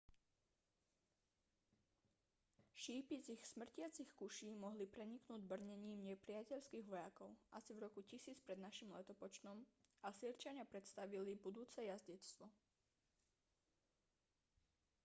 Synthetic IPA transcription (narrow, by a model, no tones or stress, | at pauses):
ʃiːpit͡sixsmr̩cɪat͡sixkuʃiːmɔɦlipɾɛɲiknuːɟbr̩ɲɛɲiːmɲɛpɾɪacɛʎskiːɣʋɔjakɔʊʔasivɾɔkucisiːt͡spɾɛd̪naʃimlɛt̪ɔpɔt͡ʃnɔmasiɾt͡ʃaɲɪapɾɛt̪st̪aʋilibud̪uːt͡sɛjazɟɛt̪st̪ʋɔ